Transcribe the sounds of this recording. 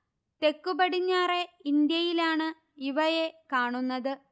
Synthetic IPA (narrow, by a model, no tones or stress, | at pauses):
t̪e̞kːubɐɽiɲːaːre̞ind̪jɐjilaːɳɨ | iʋɐje̞kaːɳunːɐðɨ